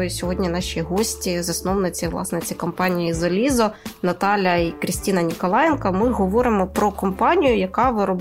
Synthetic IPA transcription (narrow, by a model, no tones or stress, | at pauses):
jʊsʲɔɦɔdʲnʲinɑʃʲiɦɔsʲtʲizɐsnɔwnɪt͡sʲiʋlˠɑ̰snɪt͡sʲikɔmpɑnʲijizɐlʲizɔnɐt̪ɑlʲːɐikɾʲɪsʲtʲinɐnʲikɔlˠɑjɛnkɐmɪɦɔʋɔɾɪmɔpɾɔkɔmpɑnʲijʊjɐkɑʋɪɾɔb